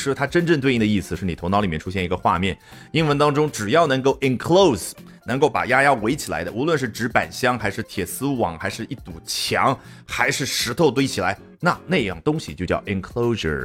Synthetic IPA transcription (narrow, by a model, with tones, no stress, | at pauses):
ʂɻ̩˥t̪ʰa˥ʈ͡ʂə˥nʈ͡ʂə˥˧t̪we˥˧i˥˩ə˩˧i˥˩sɹ̩˨˩ʂɻ̩˥˩ni˨˩ʊ˧˥ŋnɑ˧˥ʊli˨˩jɛ˥˩ʈ͡ʂʰu˥ɕjɛ˥˩ni˧˥ɡə˧xwa̰˥˧mjɛ˥˩n | i˥nwə˧nt̪ɑ˥ŋʈ͡ʂʊ˥ŋʈ͡ʂɻ̩˨˩jɑ˥˩ʊnɤ˧˥ŋko˥˩ʊʔi˨˩nkʰlo˥˩ʊs | nɤ˧˥ŋko˥˩ʊpa̰˨˩ja˥ja˥we˧˥ɪt͡ɕʰi˨˩la̰˧˥ɪd̪ə̰˧ʔu˧˥lwə˥˧nʂ̬ɻ̩˥˩ʈ͡ʂɻ̩˧˥pa̰˨˩nɕjɑ˥ŋxa˧˥ɪʂɻ̩˥˩t̪ʰjɛ˨˩sɹ̩˥wɑ̰˨˩˦ŋxa˧˥ɪʂɻ̩˥˧i˥˩t̪u˨˩t͡ɕʰjɑ̰˧˥ŋ | xa˧˥ɪʂɻ̩˥˩ʂɻ̩˧˥t̪ʰo˥˧ʊt̪we˥ɪt͡ɕʰi˨˩la˧˥ɪ | na˥˧ne˥˧ɪjɑ̰˥˩ŋt̪ʊ˥ŋɕi˨t͡ɕjo˥˧ʊt͡ɕjɑ̰˥˩ʊʔi˧˥nkʰlo˥ʊʂə̰˨˩